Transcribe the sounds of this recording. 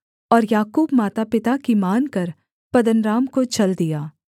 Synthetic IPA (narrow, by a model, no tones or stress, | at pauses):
ɔːɾjaːkuːbmaːt̪apɪt̪akimaːnkɐɾ | pɐd̪ənɾaːmkot͡ʃɐld̪ijaː